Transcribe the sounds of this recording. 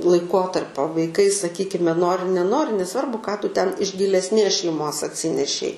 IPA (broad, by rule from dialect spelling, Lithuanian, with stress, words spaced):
lˠɐɪˈkoːtɐrʲpʲoː ʋɐɪˈkɐɪ sɐˈkʲiːkʲɪmʲɛ ˈnoːrʲɪ nʲɛˈnoːrʲɪ nʲɛˈsʋɐrbʊ kɑː ˈtʊ ˈtʲɛn ɪʃ ɡʲɪlʲɛsʲˈnʲeːs ʃʲɛɪˈmoːs ɐtʲˈsʲɪnʲɛʃʲɛɪ